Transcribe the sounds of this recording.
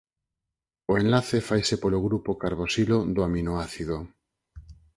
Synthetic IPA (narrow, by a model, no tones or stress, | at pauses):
oenlaθefajsepoloɣɾupokaɾβosiloðoaminoaθiðo